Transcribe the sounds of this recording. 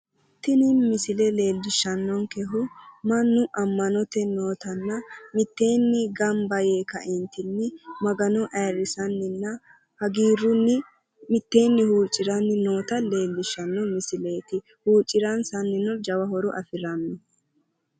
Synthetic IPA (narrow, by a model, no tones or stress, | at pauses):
t̪ːɪnɪnmɪsɪlɛle̞ːlːɪʃːɐnːɔŋkɛɦʊmɐnːʊʔɐmːɐnɔt̪ɛno̞ːt̪ɐnːɐmɪt̪ːe̞ːnːɪɡɐmbɐjeːkɐʔɪnt̪ːɪnːɪmɐɡɐnɔʔɛːɾːɪsɐnːɪnːɐ | hɐɡiːɾːʊnːɪ | mɪt̪ːe̞ːnːɪhuːt͡ʃʼːɪɾɐnːɪno̞ːt̪ɐle̞ːlːɪʃːɐnːɔmɪsɪle̞ːt̪ɪ | huːt͡ʃʼːɪɾɐnsɐnːɪnɔd͡ʒɐwɐhɔɾɔʔɐfɪɾɐnːɔ